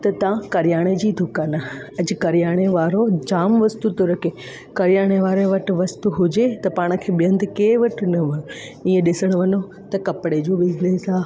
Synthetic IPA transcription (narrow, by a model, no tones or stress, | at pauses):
t̪ɐt̪ɐ̃kɐɾɪjaːɽ̃ed͡ʑiːd̪ʱʊkaːnaɐd͡ʑkɐɾijaːɽ̃eʋaːɾod͡ʑaːmʋɐst̪ut̪oɾɐke | kɐɾijaːɽ̃eʋaːɾeʋɐʈɪ̆ʋɐst̪uɦʊd͡ʑet̪ɐpaːɽ̃ə̆kʰeːɓijɐ̃nd̪keːʋɐʈnɐʋɐno | iːẽɗɪsəɽ̃ʋɐno | t̪ɐkɐpɪɽed͡ʑoːbɪd͡ʑneːsaː